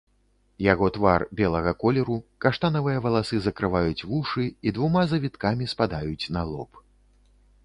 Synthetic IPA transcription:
jaɣɔt̪varbʲɛlˠɐɣɐkɔlʲɛɾukaʂt̪anɐvɨjɐvɐlˠasɨzɐkɾɨvajut͡sʲvuʂɨid̪vumazɐvʲit̪kamʲispad̪ajut͡sʲnalˠɔp

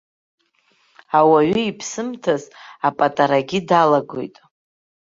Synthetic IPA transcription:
awaɥʏipʰsɨmtʰazapʼatʼaɾaɡʲidalaɡo̰jtʼ

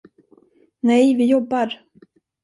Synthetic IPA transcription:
nɛjvɪjɔbːaɾ

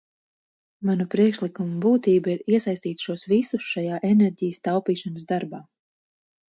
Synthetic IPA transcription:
manupɾiɛkʃlˠikumubuːt̪iːbaiɾiɛsajst̪iːt̪ʃuɔsvisusʃajaːʔenɛɾʲɟijəst̪awpiːʃanəsd̪aɾbaː

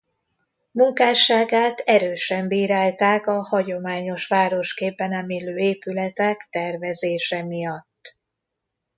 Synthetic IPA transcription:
muŋkaːʃaːɡaːt̪ɛɾøːʃɛmbiːɾaːlt̪aːkɒhɒɟo̞maːɲo̞ʃʋaːɾo̞ʃkeːbːɛnɛmeːløːeːpylɛt̪ɛkt̪ɛrvɛzeːʃɛmijɒt̪ː

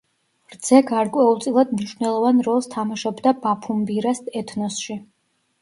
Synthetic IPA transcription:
ɾd̪z̥ɛɡaɾkʼwɛulˠt̪sʼilˠad̪̚mniʃvnɛlˠɔvanɾɔlˠst̪ʰamaʃɔbd̪abapʰumbiɾasɛt̪ʰnɔsʃi

